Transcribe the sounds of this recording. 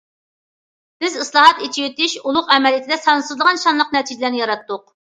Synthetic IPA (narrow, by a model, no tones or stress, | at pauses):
b̥ɪzɨslˠɑɦɑt̪it͡ʃʰijyt̪ɪʃulˠʊqɛmɛlijit̪ʰɪd̪ɛsɑnsɨzlˠəʁɑnʃɑnlˠəq̚nɛt̪ʰid͡ʒɪlæɾnɪjɑɾɑt̪ːʊq